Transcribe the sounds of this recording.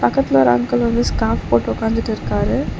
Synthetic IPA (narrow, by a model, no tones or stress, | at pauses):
pɐkːɐt̪lɐɾɐ̰ŋkɐlɐnd̪ɯskaːfpoːʈːɔkaːnd͡ʒɪʈːɪɾɯkaːɾɯ